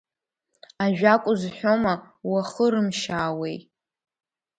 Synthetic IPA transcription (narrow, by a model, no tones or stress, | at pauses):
aʒᶣakʷʼʊzħʷᶣoma | waχəɾɨmʃaːwe̞j